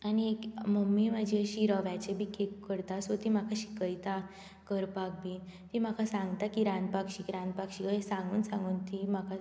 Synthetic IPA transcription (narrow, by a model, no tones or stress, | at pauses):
añiekməmːimad͡ʑiəɕiɾəʋjat͡ɕebʱiːkʰekːəɾt̪asot̪im̤akʰaɕi̥kəjt̪a | kəɾpak̚biːnt̪im̤akʰasãŋɡt̪akiɾãnd̪̚pakɕiːkiɾãnd̪pakɕikəsãŋɡuːnsãŋɡuːnt̪imaka